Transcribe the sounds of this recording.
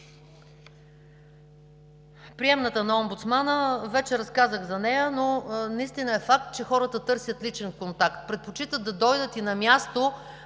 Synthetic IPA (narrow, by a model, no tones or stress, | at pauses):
pɾiɛmnət̪ənɐɔmbut̪smanəvɛt͡ʃɛɾɐskazəɣzɐnɛjənonɐist̪inəɛfak̚t̪̚t͡ʃɛxɔɾət̪ət̪ɤɾsʲjət̪lit͡ʃɛnkont̪akt̪̚pɾɛt̪̚pot͡ʃit̪əd̪ɐd̪ɔjd̪ət̪inɐmʲjast̪o